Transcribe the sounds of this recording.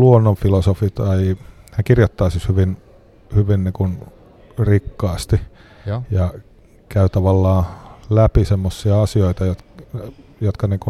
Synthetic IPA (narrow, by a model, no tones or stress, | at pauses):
luonːoɱfilosofit̪ɑihækirjot̪ːɑːsishyʋin | hyʋinniːŋkun | rikːɑːst̪i | jɑ | kæyt̪ɑʋɑlːɑːlæpisemːosːiɑɑsioit̪ɑjot̪ | jot̪kɑniːŋku